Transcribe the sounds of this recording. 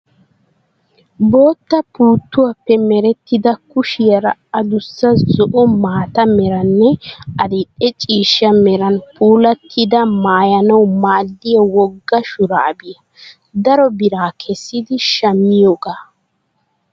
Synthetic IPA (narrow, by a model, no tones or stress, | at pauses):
bo̞ːt̪ːɐpuːt̪ːʊwapːɛmɛɾɛt̪ːɪd̪ɐkʊʃɪjɐɾɐɐd̪ʊsːɐzɔʔɔmaːt̪ɐmɛɾɐnːɛɐd̪ɪtʼːɛt͡ʃʼiːʃːɐmɛɾɐnpʰuːlɐt̪ʰːɪd̪ɐmaːjɐnɐwmaːd̪ːɪjɐwɔɡːɐʃʊɾaːbɪjɐ | d̪ɐɾɔbɪɾaːkʰɛsːɪd̪ɪʃɐmːɪjoːɡaː